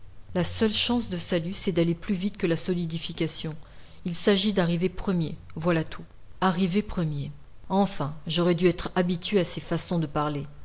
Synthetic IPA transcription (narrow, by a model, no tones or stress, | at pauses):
lasœlʃɑ̃sd̪əsalysɛd̪aleplyvit̪kəlasɔlid̪ifikʲasjɔ̃ | ilsaʒid̪aʁivepχəmjevwalat̪ʰu | aʁivepχəmje | ɑ̃fɛ̃ʒɔʁɛd̪yɛt̪χabit̪ɥeasefasɔ̃d̪əpaʁle